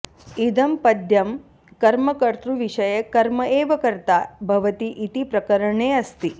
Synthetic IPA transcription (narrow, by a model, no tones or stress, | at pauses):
id̪ɐmpɐd̪ʱjɐm | kɐɾmɐkɐɾt̪ɾuʋiʂɐjɐkɐɾmɐʔeːʋɐkɐɾt̪aːbʱɐʋɐt̪iʔit̪ipɾɐkɐɾɐɳeːɐst̪i